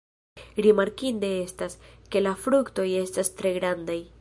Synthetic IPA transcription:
ɾimaɾkinde̞e̞staske̞lafɾukto̞je̞stastɾe̞ɡɾandaj

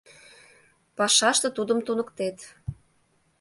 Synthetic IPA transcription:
pɑʃɑʃt̪ə̆t̪ud̪ə̆mt̪unə̆kt̪et̪

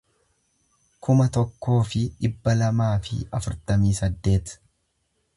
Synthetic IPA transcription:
kʰʊmɐt̪ɔkːo̞ːfɪᶑɪbːɐlɐmaːfɪ̰ɐfʊɾt̪ɐmiːsɐd̪ːe̞ːt̪

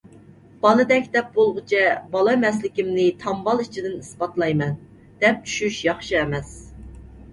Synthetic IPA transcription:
b̥ɑlˠɨd̪ɛkʲd̪ɛp̚bolˠʁʊt͡ʃʰɛbɑlˠɑmɛslɪkʲimnɪt̪ʰɑmbɑlˠit͡ʃʰid̪ɪnispɑt̪lˠɑjmɛn | d̪̥ɛp̚t͡ʃʰy̥ʃyʃjɑχʃɨɛmɛs

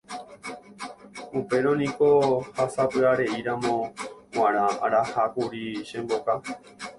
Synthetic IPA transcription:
upe̞ɾõnĩko̞hasapɨaɾe̞iɾãmõ̞wãɾ̃ãaɾahakuɾiʃẽmboka

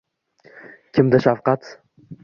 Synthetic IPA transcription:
kʲʰɪmd̪ɪʃafqɑt̪

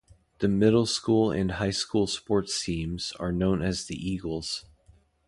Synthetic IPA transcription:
ðɨmɪɾl̩ˠskulˠɪ̰̃nhaɪskulˠspɔɹtsĩmz̥ə̰˞nõʊ̃nɨzðiʔiɡl̩ˠz̥

